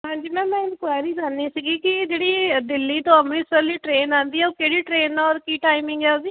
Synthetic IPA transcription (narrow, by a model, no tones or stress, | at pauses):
ɦãːɲd͡ʒiːmɛ̃ːmɛ̃ːɪnkwaːjɾiːkəɾniːsiːɡiːkɪd͡ʒeːɽiːd̪ɪlːiːt̪õːəmɾiːsəliːʈɾeːnãːnd̪iːɛːoːkeːɽiːʈɾeːnaɔːɾkiːʈaːimɪŋɡɛːod̪iː